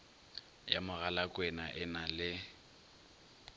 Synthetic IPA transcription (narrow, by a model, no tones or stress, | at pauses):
jamʊɣalakʼwɛnaʔɪnalɪ